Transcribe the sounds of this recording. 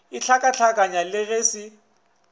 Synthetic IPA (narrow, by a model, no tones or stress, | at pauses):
ɪt͡ɬʰakʼat͡ɬʰakʼaɲalɪɣesɪ